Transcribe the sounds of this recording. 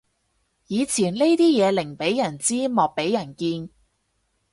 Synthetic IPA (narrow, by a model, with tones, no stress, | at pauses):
jiː˨˧t͡sʰiː˨˩nle˥jt̪iː˥jɛː˨˧lɪ˨˩ŋpe˨˥jjɐ˨˩nt͡siː˥mɔː˨k̚pe˨˥jɐ˨˩nkiː˧n